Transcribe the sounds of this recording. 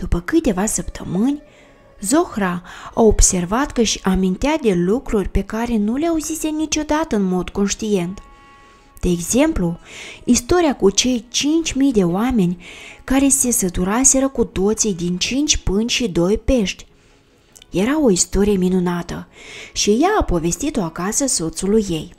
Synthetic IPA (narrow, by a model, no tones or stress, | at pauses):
d̪̥upəkɨt̪ʲe̞vasəpt̪ʰə̰mɨnʲ | zoxraaobsʲe̞rvat̪kəʃiʔamint̪ead̪e̞lukɾurʲpe̞kaɾe̞nuleauzisʲe̞nit͡ʃʲo̞d̪at̪əɨnmo̞d̪ko̞nʃt̪ije̞nt̪ | d̪̥eːɡze̞mpluist̪o̞ɾʲijakut͡ʃe̞jt͡ʃint͡ʃʲmijd̪e̞oame̞nʲkaɾe̞se̞sət̪uɾase̞ɾəkut̪o̞t̪sijd̪int͡ʃint͡ʃʲpɨnt͡ʃʲʃid̪o̞jpe̞ʃt̪ʲ | je̞ɾao̞ist̪o̞ɾije̞minunat̪əʃijaːpo̞ve̞st̪it̪o̞akasəso̞t̪sulujːe̞j